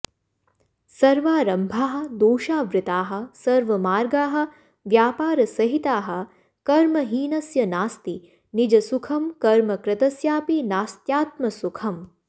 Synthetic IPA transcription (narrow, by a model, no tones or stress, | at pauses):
sɐɾʋaːɾɐmbʱaːɦɐ̆d̪oːʃaːʋɾɪt̪aːɦɐ̆sɐɾʋɐmaːɾɡaːɦɐ̆ | ʋjaːpaːɾɐsɐɦit̪aːɦɐ̆ | kɐɾmɐɦiːnɐsjɐnaːst̪i | nid͡ʒɐsukʰɐmkɐɾmɐkɾɪt̪ɐsjaːpinaːst̪jaːt̪mɐsukʰɐm